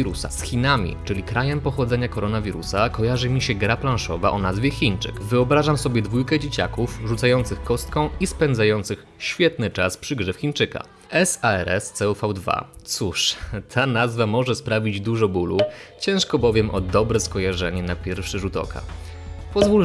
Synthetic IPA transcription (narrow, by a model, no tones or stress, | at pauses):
iɾusa̰sxʲinamʲḭt͡ʂɘlʲikɾajɛmpɔxɔd̪zɛɲakɔɾɔnavʲiɾusakɔjaʐɘmʲiɕɛɡɾaplãñʂɔva̰ʔɔnazvʲjɛxʲint͡ʂɘ̰kvɘɔbɾaʐamsɔbʲjɛd̪vujkɛd͡ʑet͡ɕa̰kufʐut̪sajɔnt̪sɘxkɔst̪̚kɔ̃w̃ispɛnd̪zajɔnt̪sɘx | ɕfʲjɛt̪nɘt͡ʂaspʂɘɡʐɛfxʲint͡ʂɘka̰ | ɛsaɛɾɛst̪sɛufawd̪va̰t̪suʂt̪ʰanazvamɔʐɛspɾavʲid͡ʑd̪uʐɔbulut͡ɕɛ̃ʂkɔbɔvʲjɛmʔɔd̪ɔbɾɛskɔjaʐɛɲɛnapʲjɛɾfʂɛʐut̪ɔ̰kʰa̰pɔzvul